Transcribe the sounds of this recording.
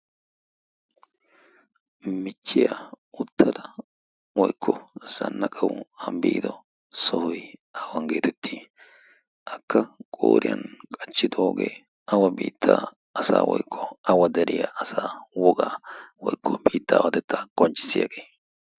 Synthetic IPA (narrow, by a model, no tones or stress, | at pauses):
mɪt͡ʃːɪjɐ | ʊt̪ʰːɐd̪ɐ | wɔjkʰːɔz̥ɐnːɐkʼɐwʊɐmbiːd̪ɔ | sɔhʊjɐwɐnɡe̞ːt̪ɛt̪ʰːiː | ʔɐkːɐkʼo̰ːɾɪjɐ̰nkʼɐt͡ʃːɪd̪ɔoːɡeː | ɐwɐbiːt̪ʰːaː | ɐsa̰ːwɔjkʰːɔɐwɐd̪ɛɾʔɪjɐʔɐsaːwɔɡaːwɔjkʰːɔbiːt̪ːaːwɐt̪ɛt̪ːaɡ̥ɔnt͡ʃʼːɪ̥sːɪjɐ̰ɡeː